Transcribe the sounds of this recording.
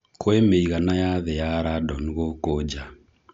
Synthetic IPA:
koemeiɣanajaðejaɾadɔniɣokod͡ʒa

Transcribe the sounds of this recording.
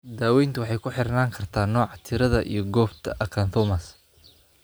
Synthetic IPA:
d̪aːwɛjnt̪ʰɐwɑħɑjkʰʊħɪrnaːŋkʰɐrt̪ʰaːnːɔːʕɑt̪ʰɪɾɐðɐʔḭjɞɡɔːft̪ʰɐʔɐkʰɐnθɔmɐs

